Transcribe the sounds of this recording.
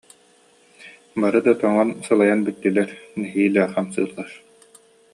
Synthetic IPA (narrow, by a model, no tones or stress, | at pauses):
baɾɯd̪at̪ɔŋɔnsɯlˠajanbit̪ːilɛɾnɛɦiːlɛχamsɯ̰ːlˠːaɾ